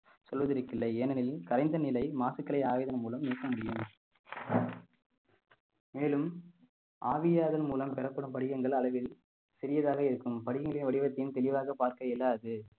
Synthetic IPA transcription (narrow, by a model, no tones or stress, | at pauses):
sɔlʋɐðɪɾɯkːɪlːɐɪeːnɐnɪlkɐɾɐɪnd̪ɐnɪlɐɪmaːsɯkːɐɭɐɪaːʋɪðɐnɐmuːlɐmniːkːɐmʊɽɪjɯm | meːlɯm | ʔaːʋɪjaːðɐlmuːlɐmpɛɾɐpːɐɽɯmpɐɽɪɣɐŋɡɐɭɐɭɐʋɪl | sɪɾɪjɐðaːɣɐɪɾɯkːɯmpɐɽɪɣɐŋɡɐɭɪjnʋɐɽɪʋɐt̪ːɐjɯmt̪ɛlɪʋaːɣɐpaːɾkɐɛlːaɐðɯ